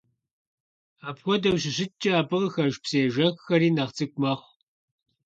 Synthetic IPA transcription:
aːpxʷɔdɐwɕɪɕɪt͡ʃʼɐaːpɨʁxɐʒpseːʒɐkʷʼxɐɾiːnɐʁt͡sʰʼɨkʷʼmɐχʷ

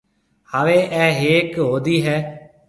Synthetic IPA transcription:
haːʋeːʔɛːɦeːkɦoːd̪iːɦɛː

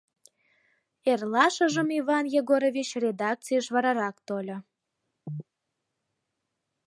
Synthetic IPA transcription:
erlɑʃəʒəmiβɑnjeɣoɾovʲit͡ɕrʲed̪ɑk̚t͡sijəʃβɑɾɑɾɑkt̪olʲo

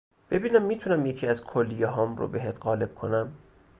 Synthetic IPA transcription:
b̥e̞biːnæmːiːt̪ʰunæmjecʰiːæzkʰolːijeɦɒːmro̰beɦet̪ʰɣɒːle̞b̥̚kʰo̞̰næm

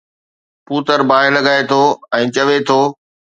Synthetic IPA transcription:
puːt̪əɾbaːɪlɐɡaːet̪ʰoːɛ̃ːt͡ɕɐʋet̪ʰoː

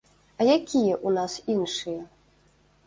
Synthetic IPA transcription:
ɐjakʲijɛʔunasinʂɨjɛ

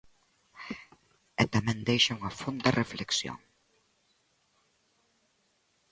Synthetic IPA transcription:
et̪amẽnd̪ejʃoŋafond̪arefleksjo̰ŋ

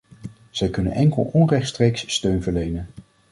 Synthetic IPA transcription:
z̥ɛjkɵnə̰nʔɛŋkəlˠɔnrɛχtstrejksːtøɥnvəɹlejnən

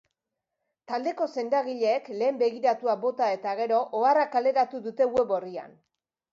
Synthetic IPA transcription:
t̪ald̪e̞ko̞se̞nd̪aɣiʎe̞ːkle̞ːmbe̞ɣiɾat̪uabo̞t̪ae̞t̪aɣe̞ɾo̞ʔoarakale̞ɾat̪uðut̪e̞we̞βo̞ria̰n

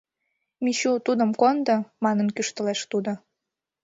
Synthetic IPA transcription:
miɕut̪ud̪əmkond̪ɤmɑnənkyʃt̪ə̆leʃt̪ud̪o

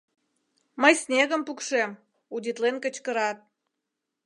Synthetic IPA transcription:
məjsnʲeɣəmpukʃem | ud̪ʲit̪lenkət͡ɕkəɾɑt̪̚

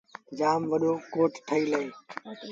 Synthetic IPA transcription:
d͡ʒaːmʋəɗoːkoːʈʈʰəiːləẽː

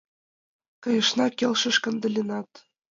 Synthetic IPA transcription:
kɤ̆jɤ̆ʃnɑkʲelʲʃɤ̆ʃkɤ̆nd̪ɤ̆lʲenɑt̪

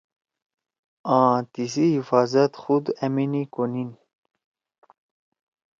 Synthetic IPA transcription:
ãːt̪isiɦifaːzɐt̪xud̪ɐminikonin

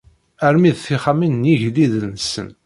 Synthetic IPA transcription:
əɾmiðθiχaminːiʝliðənəsə̰n

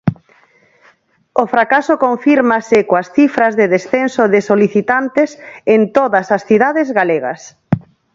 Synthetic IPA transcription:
ofɾakasokoɱfiɾmasɪkoasθifɾɐzðeðesθensoðɪsoliθit̪ant̪esent̪oðɐsasθiðaðezɣaleɣa̰s

